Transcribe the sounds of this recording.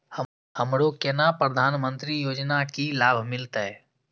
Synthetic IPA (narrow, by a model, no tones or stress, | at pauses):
hə | ɦəmɾokenapɾəd̪ʱaːnmə̃nt̪ɾijoːd͡ʒnakilaːbʱmɪlt̪ɦɛː